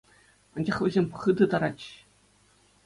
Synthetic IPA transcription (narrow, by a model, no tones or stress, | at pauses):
ɑnʲd͡ʑɑχvʲezʲemʲpχɯd̪ɤ̆t̪ɑɾɑt͡ɕ